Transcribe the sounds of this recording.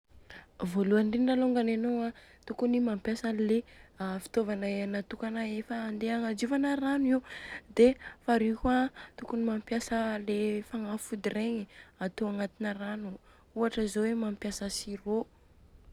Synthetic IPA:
voluanɖ͡ʐinɖ͡ʐaloŋɡanenowat̪ukunimampjasanleafi̥t̪ovanaenat̪ukanaefaːnd̪eaŋad͡ʒivanəɾanuid̪efaɾikʲat̪ukunimampjasəlefaŋafud̪ireɲiat̪oaŋat̪inəranu | uaʈ͡ʂəzowemampjasəsiro

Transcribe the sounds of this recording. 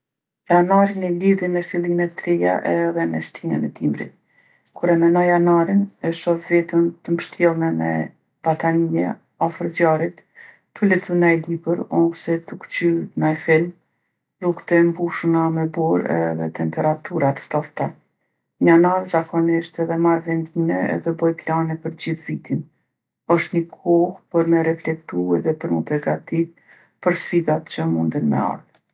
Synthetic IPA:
janaɾinɛliðimɛfilˠimɛt̪ːɾija̰ʔɛðɛmɛ̰st̪ʰimɛ̰nɛt̪imɾḭt̪̚ | kuɾɛmɛnajanaɾinɛʃɔfvɛt̪əmt̪əməʃt̪jɛlˠnɛmɛ̰ | b̥at̪anijɛ̰ | afəɾzjaɾit̪ː | ulɛt̪ənajlibəɾɔsɛt̪ukt͡ɕynajfilm | rukt̪ɛmbuʃnamɛbɔɾɛ̰ðɛ̰t̪ʰɛmpɛɾat̪ʰuɾat̪ə̥ft̪ɔft̪a | ɲananzakɔniʃt̪ɛðɛmaɾvɛnd̪inɛɛ̰ðɛbɔjplanɛpəɾd͡ʑiθvit̪in | ɔʃt̪ɲəkʰɔhpəɾmɛɾɛflɛk̚t̪uɛðɛpəɾməpəɾɡat̪iv | pəɾsfiðat̪t͡ɕəmund̪ənmɛ̰a̰ɾð

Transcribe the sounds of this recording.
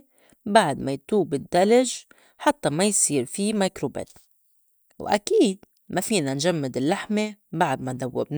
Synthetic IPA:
baʕd̪majt̪uːbɪd̪ːalɪʒ | ħat̪ːamajsiːɾfimajkɾobḛːt̪ | wʔa̰kiːd̪̚ | mafiːnanʒamːɪd̪ɪlːaħmebaʕd̪mand̪awːɪ̰bn

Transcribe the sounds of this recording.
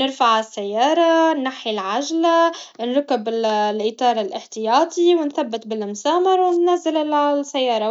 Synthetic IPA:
nɪɾfaʕɪsːajːɑːɾˤɑnːaħilʕaʒlanɾʊkɪbɪlʔɪt̪ˤɑːɾˤɪlʔɪħt̪ɪjɑːt̪ˤiwɪnθabːɪt̪bɪlmʊsaːmɑɾˤwɪnːazːɪllsːajːɑːɾˤɑ

